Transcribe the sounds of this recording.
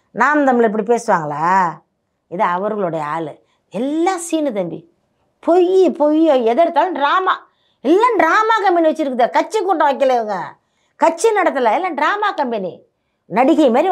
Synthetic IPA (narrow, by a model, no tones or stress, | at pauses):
naːmt̪ɐmːɪlɐɪpːɐɽip̬eːsɯʋaːŋɡɐla̰ː | ɪðɐɐʋɐɾɣɐɭɯɽɐjɐa̰ːlɯ | ɛlːãːsiːnɯt̪ɐmbḭ | pɔjɯpɔjoɛðɛɽɯt̪ːaːlɐɖɾaːmaː | ɛlːaːnɖɾaːmaːkɐmbɐniʋɐt͡ʃːɪɾɯkːɯðɐkɐt͡ʃːɯkːuːʈːɐ̃ʋɐk̬ːɪlɐɪʋɯŋɡɐ | kɐt͡ʃːɯnɐɽɐt̪ːɐlɐɛlːaːɖɾaːmaːkɐmbɐnḭ | nɐɽɪkːɐjmaːɾi